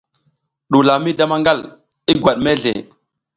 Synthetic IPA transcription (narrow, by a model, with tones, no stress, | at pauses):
ɗu˨la˨mi˦da˦ma˦ŋɡa˦l | i˦ɡwa˨ɗme˦ɮḛ˨